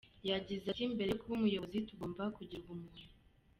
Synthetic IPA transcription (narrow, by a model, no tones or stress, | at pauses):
jaɟizakimbe̞ɾekuβumujoβozituɡo̞ːmvakuɟiɾɡumunu